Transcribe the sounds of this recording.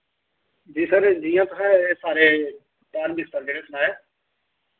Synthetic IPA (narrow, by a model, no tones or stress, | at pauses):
d͡ʒiːsəɾd͡ʒiːjãːt̪ʊɦɛ̃ːeːsaːɾeː | paːɾbɪst̪əɾd̪eːɾeːsənaːeː